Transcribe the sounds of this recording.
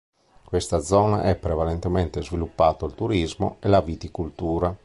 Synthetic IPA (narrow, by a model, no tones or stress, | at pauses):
kwest̪ad̪zɔːna̰ʔɛpːɾevalɛnt̪ɛmɛnt̪ezvilupːaːt̪oilt̪uɾizmo̰ɛlavit̪ikult̪uːɾa